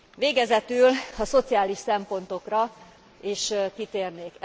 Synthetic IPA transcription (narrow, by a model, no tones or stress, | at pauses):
ʋeːɡɛzɛt̪ylɒso̞t̪siaːliʃsɛmpo̞n̪t̪o̞krɒ | eːʃkit̪eːrneːk